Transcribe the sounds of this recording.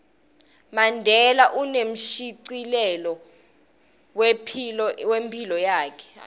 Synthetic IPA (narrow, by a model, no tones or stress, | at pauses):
mandʱɛlaʔunem̩ʃiǀilɛlɔ | wpʰiɔwempʰilɔjaːkʰɛ̥